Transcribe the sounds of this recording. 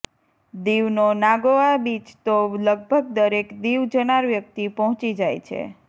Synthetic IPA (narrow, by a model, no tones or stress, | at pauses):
d̪iʋnonaɡoabit͡ʃt̪oləɡ̚bʱəɡ̚d̪əɾekd̪iʋd͡ʒənaɾʋjək̚t̪ipɔɦɔ̃t͡ʃid͡ʒajt͡ʃʰḛ